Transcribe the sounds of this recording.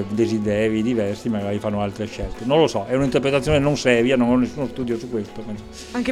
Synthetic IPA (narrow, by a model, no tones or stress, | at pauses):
d̪ezid̪ɛːɾid̪ivɛrsimaɡaːɾifanːoalt̪ɾeʃɛlt̪enõnlosɔɛunaint̪eɾpɾet̪at̪sːjoːnenonsɛːɾjanonɔnːesːuːnost̪uːd̪josukːwest̪opɛnso | aŋk